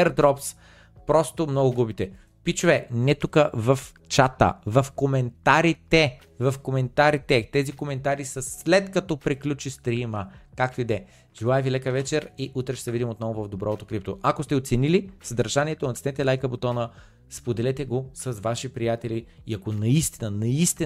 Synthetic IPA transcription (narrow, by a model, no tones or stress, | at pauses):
ɛɾd̪ɾɔps | pɾɔst̪omnɔɡʊɡubit̪ɛ | pit͡ʃʊvɛnɛt̪ukəvɐf | t͡ʃat̪ə̰vɐfkomɛnt̪aɾit̪ɛ | vɐfkomɛnt̪aɾit̪ɛt̪ɛzikomɛnt̪aɾisəslɛt̪kɐt̪ɔpɾiklʲut͡ʃist̪ɾiməkak̚t̪oid̪ɛ | ʒ̥ilˠajɛvilɛkəvɛt͡ʃɛɾiʔut̪ɾɛʃɛd̪vid̪ʲimot̪nɔvʊvɐvd̪obɾɔt̪okɾip̚t̪oʔakost̪ɛot̪sɛnilisəd̪ɐɾʒaniɛt̪onɐt̪snɛt̪ɛlajkəbot̪ɔnə | spod̪ɛlɛt̪ɛɡosɐzvaʃipɾijat̪ɛliiɐkonɐist̪inənɐist̪i